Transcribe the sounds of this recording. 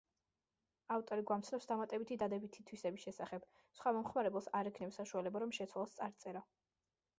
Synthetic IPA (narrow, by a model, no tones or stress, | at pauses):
aft̪ʼɔɾiɡwamt̪sʰnɔpsd̪amat̪ʼɛbit̪ʰid̪ad̪ɛbit̪ʰit̪ʰwisɛbisʃɛsaχɛb̥ | sχwamɔmχmaɾɛbɛlˠsaɾɛkʰnɛpsaʃualɛbaɾɔmʃɛt̪sʰwalˠast̪sʼaɾt̪sʼɛɾa